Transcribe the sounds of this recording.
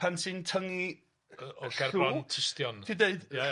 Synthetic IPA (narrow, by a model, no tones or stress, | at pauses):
ansɨntʰəŋi | ɔɬɡɛruɔntʰɪstjɔntʰideɨd̥a